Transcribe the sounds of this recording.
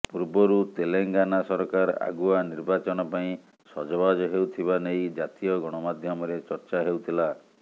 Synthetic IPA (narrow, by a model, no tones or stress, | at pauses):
puɾbɔɾut̪eleŋɡanasɔɾɔkaɾa̰ɡuaniɾbat͡ʃɔñɔpaĩ | sɔd͡ʒɔbad͡ʒɔɦewt̪ʰibanejd͡ʒat̪ijɔɡɔɽ̃ɔmad̪ʱjɔmɔɾet͡ʃɔɾt͡ʃaɦewt̪ʰila